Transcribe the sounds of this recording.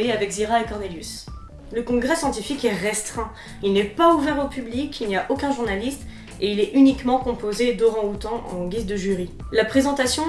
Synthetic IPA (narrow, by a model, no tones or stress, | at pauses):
eavɛkziʁaekɔʁneljys | ləkɔ̃ɡʁɛsjɑ̃t̪ifikɛʁɛst̪χɛ̃ | ilnɛpauvɛʁopyblikʰilniaʔokʲɛ̃ʒuʁnalist̪ | eilɛʔynikmɑ̃kɔ̃pozed̪ɔʁɑ̃ot̪ɑ̃ʔɑ̰̃ɡʲizd̪əʒyʁilapχezɑ̃t̪asjɔ̃